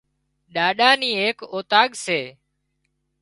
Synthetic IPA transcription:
ɗaːɗaːniːeːkoːt̪aːɠseː

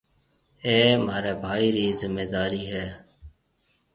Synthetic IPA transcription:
eːmaːɾeːbʱaːiːɾiːzɪmːeːd̪aːɾiːɦɛː

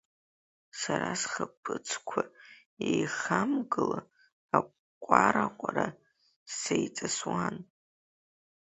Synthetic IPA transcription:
saɾasχapʰʼɨt͡sʰkʷʰa | ejχamɡɨla | a | kʷʼaɾaqʷʼaɾa | sejt͡sʼaswan

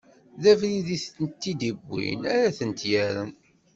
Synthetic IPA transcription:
ðævɾiðiθt̪ənt̪ːid̪ibːḭnæɾæθənt̪jæɾən

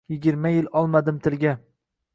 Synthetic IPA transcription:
jɪɡʲɪɾmajɪlɒlˠmad̪ɪmt̪ʰɪlɡʲa

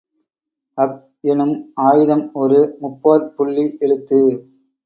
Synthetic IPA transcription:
ɐp | ɛnɯmaːjɪðɐmɔɾɯmʊpːoːɾpʊɭːiʔɛɭɯt̪ːɯ

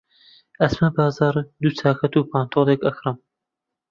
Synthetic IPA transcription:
ɐsmɐbɑːzɑːɾd̪ut͡sʰaːkʰɐt̪uːpʰaːnt̪ʰoːlˠekɐxɾɨm

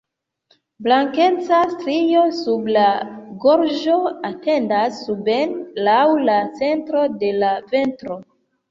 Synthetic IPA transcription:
blaŋke̞t͡sastɾijo̞sublaɡo̞ɾd͡ʒo̞ate̞ndasːubenlawlat͡se̞ntɾo̞de̞lave̞ntɾo̞

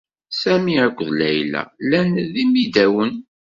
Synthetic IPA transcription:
sæmiækʷːðlæjlæ̰lːænðimid̪æwən

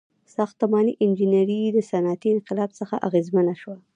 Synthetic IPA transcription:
sɑxt̪amɑniʔɪnd͡ʒinaɾid̪əsanɑt̪iɪnqɪlɑbsəxaʔaɣezmənaʃwa

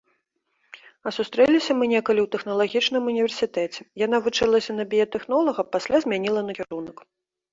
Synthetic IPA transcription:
ɐsust̪ɾɛlʲisʲɐmɨnʲɛkɐlʲiwt̪ɛxn̪ɐlˠaɣʲit͡ʂnɨmunʲivʲɛrsʲit̪ɛt͡sʲɛ̥janavut͡ʂɨlˠɐsʲɐnɐbʲijɛt̪ɛxnɔlˠɐɣɐpasʲlʲazʲmʲanʲilˠɐnɐkʲiɾunɐk

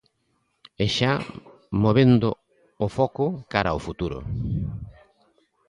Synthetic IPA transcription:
eʃa | moβend̪ʊ | ofɔkʊkaɾaofut̪uɾʊ̰

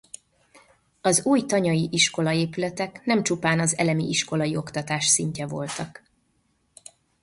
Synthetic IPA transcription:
ɒzuːjt̪ɒɲɒjiʔiʃko̞lɒeːpylɛt̪ɛknɛmt͡ʃupaːnɒzɛ̰lɛmḭʔiʃko̞lɒjio̞kt̪ɒt̪aːʃsiɲcɛvo̞lt̪ɒk

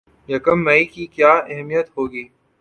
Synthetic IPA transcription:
jɐkəmːɛikikjaːɛɦmijət̪hoːɡiː

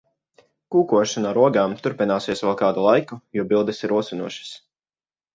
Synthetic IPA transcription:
kuːkuɔʃanaɾuɔɡaːmt̪uɾpinaːsiɛsʋɛlˠkaːd̪ulˠajkujuɔbilˠd̪ɛsiɾuɔsinuɔʃḁs

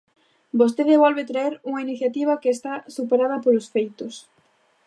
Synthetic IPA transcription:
bost̪eðeβɔlβet̪ɾaeɾuŋainiθjat̪iβ̞ɐkeːst̪asupeɾað̞ɐpolosfejt̪os

